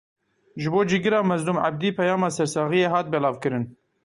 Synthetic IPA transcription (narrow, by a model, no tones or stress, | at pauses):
ʒɨboːd͡ʒiːɡɨɾɑːmɛzluːmʕa̰b̚d̪iːpʰɛjɑːmɑːsɛɾsɑːɣijeːɦɑːt̪̚bɛlɑːvkɨɾɨn